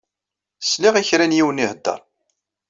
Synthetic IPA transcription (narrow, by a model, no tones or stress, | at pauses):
sliʁiçɾænjiwənihəd̪ːɑ̰ɾˤ